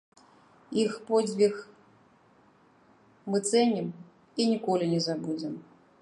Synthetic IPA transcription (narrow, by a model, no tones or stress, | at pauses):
ixpɔd͡zʲbʲix | mɨt̪sɛnʲim | inʲikɔlʲinʲɛzabud͡zʲɛm